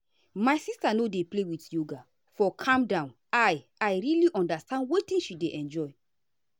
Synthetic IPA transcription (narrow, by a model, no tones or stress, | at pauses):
majsistanodeplewitjoɡa | fɔkʰãmdãʊ̃n | aj | ajɾiliʔɔ̃ndastãndwetĩnʃideʔɛ̃nd͡ʒɔj